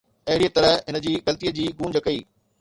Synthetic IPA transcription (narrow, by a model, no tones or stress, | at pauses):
ɐɦɪɽijət̪ɐɾəɦɦɪnə̆d͡ʑiːɡɐlt̪ijəd͡ʑiːɡũːɲd͡ʑəkɐiː